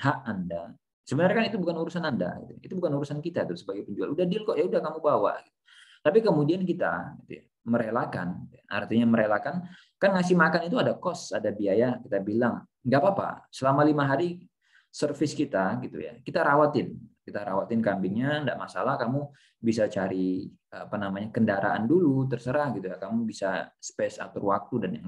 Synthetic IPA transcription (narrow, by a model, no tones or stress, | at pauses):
haʔanda | səbənarkanit̪ubukanuɾusananda̰ɡḭt̪uit̪ubukanuɾusankit̪at̪uɾsəbaɡajpəɲd͡ʒua̰ludahdɪlkɔʔjaudahkamubawa̰ɡit̪u̥ | t̪apikəmudiankit̪a̰ɡit̪ṵja | məɾelaka̰nɡit̪jaa̰rt̪iɲaməɾelakan | kanŋasɪhmakanit̪uadakɔsadabiajakit̪abilaŋ | ŋɡaʔpapa̰səlamalimaɦaɾi | sərfɪskit̪aɡit̪ṵja̰kit̪aɾawat̪ɪnkit̪aɾawat̪ɪnkambɪŋɲanda̰ʔmasalahkamu | bisat͡ʃaɾi | əapanamaɲakəndaɾa̰ʔa̰ndulut̪̬ərsəɾahɡit̪ujakamubisasə̥pɛsa̰t̪əwak̚t̪udanaŋ